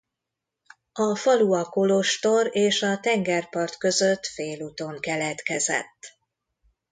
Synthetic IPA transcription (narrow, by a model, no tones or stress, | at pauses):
ɒfɒluɒkolo̞ʃt̪o̞reːʃɒt̪ɛŋɡɛrpɒrt̪kø̞zø̞t̪feːluːt̪o̞ŋkɛlɛt̪kɛzɛ̰t̪ː